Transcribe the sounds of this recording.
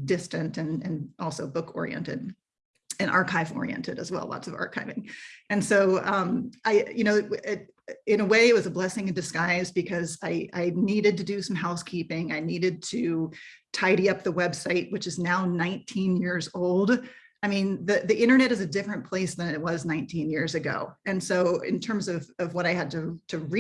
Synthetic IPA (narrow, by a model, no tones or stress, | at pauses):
dɪstɨ̃ntɨ̃nɨ̃nʔɔlˠsoʊbʊkʰɔ̰ɹḭɛ̰̃ntɨ̰ɾ | ɨ̃nʔɑ̰ɹkʰaɪvɔ̰ɹḭɛ̰̃ntɨɾɨ̰zwɛ̰lˠlɑ̰tsʌvɑ̰ɹkʰaɪvɪ̃ŋɨ̃nsoʊʌ̃mʔaɪjɨñoʊɪ | ɨ̃ñəweɪɨt̚wʌzəblɛsɪ̃ŋɨ̃ndɨskaɪzbɨkʰʌzaɪʔa̰ɪniɾɨd̚tɨdɨsʌ̃mɦaʊskʰipɪ̃ŋaɪniɾɨd̚tʰɨtʰaɪɾiʌp̚ðəwɛb̥saɪʔ̚wɨt͡ʃɨznaʊnãɪ̃ntʰĩnjɪɹzoʊlˠd | aɪmĩnðɨðiʔɪ̃ɾ̃ə˞nɛɾɨzɨdɪfɹɨ̃npʰl̥eɪsðɨ̃nɨt̚wʌznãɪ̃ntʰĩnjɪɹzɨɡo̰ʊɨ̃nsoʊɪ̰̃ntʰɜ̃˞mzʌvʌvwʌɾaɪɨd̚tɨtʰɨɹi